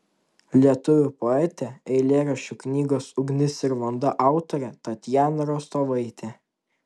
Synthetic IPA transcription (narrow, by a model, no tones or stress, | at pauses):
lʲiɛt̪ʊʋʲʊpɔɛt̪ʲɛɛɪlʲeːɾɐʃʲʊknʲiːɡoːsʊɡnʲɪsʲɪɾʋɐnd̪ɐʔɑˑʊt̪ɔɾʲɛt̪ɐt̪ʲjæːnɐɾoːst̪oːʋɐɪt̪ʲɛ